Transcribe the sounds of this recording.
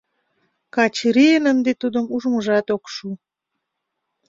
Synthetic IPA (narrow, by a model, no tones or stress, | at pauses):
kɑt͡ɕɾiənənd̪et̪ud̪əmuʒməʒɑt̪okʃu